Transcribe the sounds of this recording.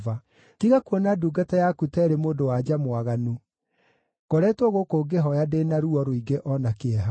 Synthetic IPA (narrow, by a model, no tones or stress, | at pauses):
va | kiɣakuɔnaduːɡatajakutɛːɾemoːdowad͡ʑamwaɣanu | ɡ̥ɔɾɛːtwɔɣokoːɡeɦɔjadeːnaɾuɔɾoiɡeʔɔnakeɛɦa